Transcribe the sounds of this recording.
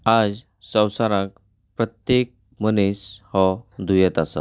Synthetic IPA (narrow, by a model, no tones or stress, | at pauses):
ad͡z | sə̃wsaɾãk̚ | pɾət̪jek̚ | məneshɔd̪ʱujɛt̪asa̰